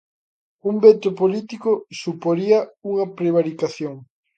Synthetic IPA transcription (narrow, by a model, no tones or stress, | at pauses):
umbet̪opolit̪ikʊsupoɾiɐuŋɐpɾeβ̞aɾikaθjoŋ